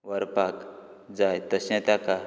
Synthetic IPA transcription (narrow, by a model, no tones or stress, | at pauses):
ʋəɾpak | d͡zajt̪əsãt̪aka